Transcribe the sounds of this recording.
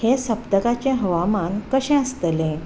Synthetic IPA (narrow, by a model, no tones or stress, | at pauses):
hesəpd̪əkat͡ɕẽɦəʋamankəɕɛ̃əst̪əlẽ